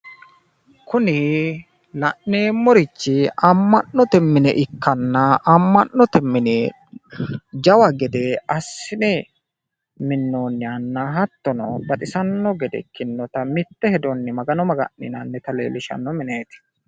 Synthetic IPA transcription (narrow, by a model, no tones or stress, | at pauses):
kʊnɪ | lɐʔneːmːɔɾɪt͡ʃːɪɐmːɐnːɔt̪ɛmːɪnɛ̰ʔɪkːɐnːɐʔɐmːɐnːɔt̪ɛmːɪne | d͡ʒɐwɐɡɛd̪ɛɐsːɪnɛ | mɪnːoːnːɪɐnːɐɦɐt̪ːɔnɔbɐt̪ʼɪsɐnːɔɡɛd̪ɛ̰kɪnːɔt̪ɐmɪt̪ːɛhɛd̪ɔnːɪmɐɡɐnɔmɐɡɐ̰nːɪnɐnːɛt̪ɐlḛːlɪʃɐ̰nːɔmɪneːt̪ɪ̥